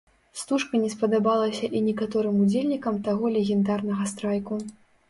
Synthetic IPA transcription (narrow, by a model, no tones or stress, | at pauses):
st̪uʂkɐnʲɛspɐd̪abalˠɐsʲɐʔinʲɛkat̪ɔɾɨmud͡zʲelʲnʲikɐmt̪aɣɔlʲɛɣʲɛnd̪arnɐɣɐst̪ɾajku